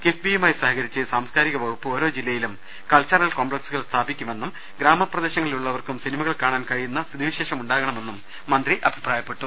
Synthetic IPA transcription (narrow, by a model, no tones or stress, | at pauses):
kefbijmaːjisɐhɦɐɣɐɾit͡ɕːɨsaːmskaːɾiɣɐʋɐɣupːɨo̞ːɾo̞ːd͡ʑilːɐjilum | kɐlt͡ɕːaːrɐɭkoːmbɭeksuɣɐɭst̪ʰaːbikʲːumʋe̞nːum | ɡɾaːmɐprɐd̪eːɕɐŋːɐɭiluɭːɐʋɐrkumsinimɐɣɐɭkaːɳaːnkɐɻijunːɐst̪ʰid̪iʋiɕe̞ːʂɐmuɳɖaːɣɐɳɐme̞nːumː | ɐnd̪riʔɐbʱipraːjɐpːe̞ʈːu